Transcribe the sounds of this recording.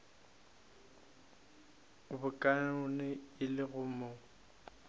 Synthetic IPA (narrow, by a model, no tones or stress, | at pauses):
bʊkʼanʊnɪɪlɪɣʊmo